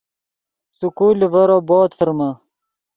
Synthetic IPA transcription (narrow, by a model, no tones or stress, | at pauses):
sukuːlivɐɾoboːt̪fəɾma